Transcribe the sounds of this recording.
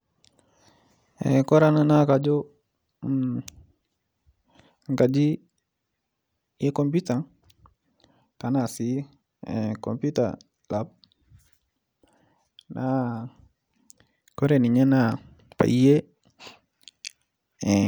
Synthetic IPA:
ḛkɔ˦ɾa˦˨na˦na˦ka˨d͡ʒo˦ | ŋka˨d͡ʒi˦ | je˦ko˦mpi˦ta˨ | ka˨na˨si˦˨ | ko̰˨mpu˦ta̰˨ | lap̚ | nʔa˦ | kɔ˦ɾe˨ni˨ɲe˦na˦˨ | pa̰˨i˦je˦

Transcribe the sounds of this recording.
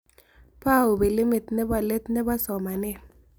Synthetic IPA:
pa˦˨o˨be˨lɪ˦mɪ˨t̪nɛ˦ba˨le˦t̪nɛ˦ba˦sɔ˨ma˨nɛ˦

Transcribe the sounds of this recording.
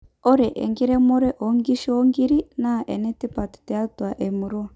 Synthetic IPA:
ɔ˦ɾɛ˨ʔɛ̰˨ŋɡi˦ɾɛ˦mɔ˦ɾɛ˦ʔɔ˨ŋɡi˦ʃi˦ɔ˦ŋɡi˦ɾi˦na˦˨ʔɛ˨nɛ˦ti˦pa˨ti̥˨tɛ˨a˦twa˨ʔe˨mu˨ɾɔ˦˨

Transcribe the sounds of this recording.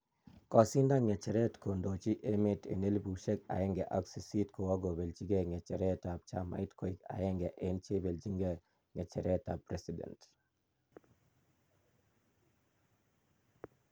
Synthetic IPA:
kɔ˨si˦nda˦ŋe˨t͡ʃe˨ɾe˦tko˨ndo˨t͡ʃi˦ʔe˦me˨tḛ˨ne˦lbu˨ʃe˦ka̰˨jɛ˦ŋɡɛ˨ʔa˦ksi˨si˦tko˨wa˦ɡo˨be˨ld͡ʒi˦ɡe˨ŋe˨t͡ʃe˨ɾe˦ta˨b̚t͡ʃa̰˦ma̰˨i˦tkʰo˨i˦ka̰˨je˦ŋɡɛ˨ʔe˨nt͡ʃe˦be˨ld͡ʒi˦ŋɡe˨ | ŋe˨t͡ʃe˨ɾɛ˦tapɾe˦si˨dɛ̰˨nt

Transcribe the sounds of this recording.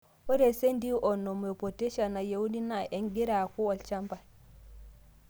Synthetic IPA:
hɔ˦ɾɛ˨se˦ndi˦ʔɔ˨nːɔ˨mɛpɔ˨tɛ˦ʃa˨na˨ja˨wu˦di˦na˨ʔɛnɡi˦ɾaku˦wa˨lt͡ʃa˦mba˨

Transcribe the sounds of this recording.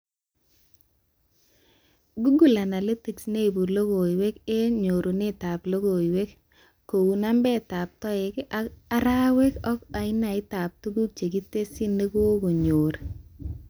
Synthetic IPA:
ɡu˦ɡu˦˨la˨na˨le˦ti˨ksne˦i˨bu˨lo˦ɡo˨i˨we˦ke˦ɲo˨ɾu˨ne˦ta˨plo˦ɡo˨i˨we˦k | ko˨wu˨na˦mbɛ˦ta˨p̚tɔ˦ɪ˨ka˦ɾa˦we˦kɔ˦ka˨ɪ˦na˨ɪ˦ta˨p̚tu˦ɡu˦k̚t͡ʃe˨ɡi˦te˦si˦ne˦ɡo˦ɡo˨ɲo˨ɾe˨

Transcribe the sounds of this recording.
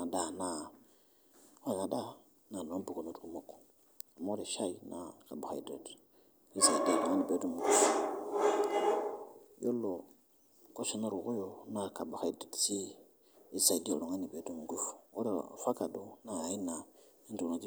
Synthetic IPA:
a˨da˦˨na˨ | o˦˨na˨da˦˨ | na˨no˨˦bu˨ko˨no˨tu˨ku˦mo˦ko̥˨ | a˨m˦o˦ɾe˨ʃa˦i˨na̰˨ka˨ba˨xa̰˨i˦do˨t | i˦za˨i˨di˦a˨lo˨ŋa˦ni˨be˨˦du˦˨mu˨ɡu˦f | jo˦lo˨ | ko˦si˨na˦˨ɾu˨ku˦jo˨na˦ka˨ba˨xa˨i˦do˨tsi˦ | i˦sa˨i˨di˦ḛ˨lo˨ŋa˦ni˨be˨˦du˦˨mu˨ɡu˦fo̰˦ɾḛ˨fa˦ka˨du˦na˨i˦na˨i˦ndu˨na˨d͡ʒi˦

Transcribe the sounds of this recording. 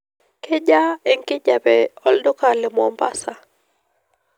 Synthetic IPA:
kɪ˦d͡ʒa˦ɛ˨ŋkɪ˦d͡ʒa˨bɛ˨ɔ˨ldʊ˦ka˨lɪ˨mɔ˨mba̰˦sa˨

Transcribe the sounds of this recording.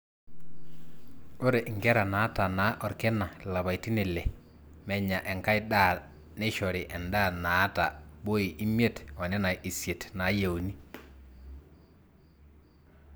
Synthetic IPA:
o˦ɾe˨ʔɪ˨ŋɡɛ˦ɾa˨na˨˦ta˨na˨˦ʔɔ˨ɾke˦na˨la˨βa˨i˨ti˦ne˨lɛ˨ | mɛ˨ɲa˨ʔɛ˨ŋka˦ɪ˦da˦˨ | ne˦ʃɔ˨ɾɪ˨ʔɛ˨nda˦˨na˨˦ta̰˨bo˦i˨ʔi˦mje˦tɔ˨nɛ˦na˨ʔi˨sje˨tna˨˦je˨u˨ni˦

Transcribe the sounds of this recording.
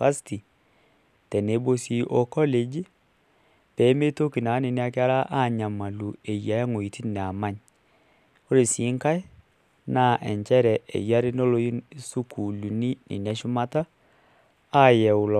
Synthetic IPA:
a˦sti˨ | tɛ˨ne˨˦bo˦si˦ʔo˦kɔ˦le˨d͡ʒi˦ | pɛ˨˦me˦to˦ki˨na˨˦ni˨nɪ˦a˦kɪ˦a˦ɾa˦ʔa˦˨ɲa˨ma˨lu˨e˨ja˨ja˦ŋo˨i˨ti˦nɛ˨a˨ma˦ɲ | ko˦ɾe˨si˨˦ŋka˦ɪ˦ | na˦˨ʔɛ˨ɲt͡ʃɛ˦ɾɛ˨ʔɛ̰˨ja˦ɾe˦no˦lo˦ji˦su˦kʰu˨lu˨ni˦nḭ˨nɛ˦ʃu˦ma˦ta˦˨ | jɛ˨ʊ˨lɔ˨

